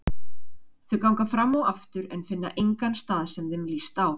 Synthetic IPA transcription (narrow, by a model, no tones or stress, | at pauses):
θʏkawŋkafɾamːawaft̪ʏɾɛnfɪnːa̰ʔejŋkanst̪aːðsɛmðɪmliːst̪aw